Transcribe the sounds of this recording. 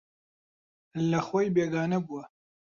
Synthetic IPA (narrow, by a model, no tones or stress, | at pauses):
lɐxwojbeːɡaːnɐbuwɐ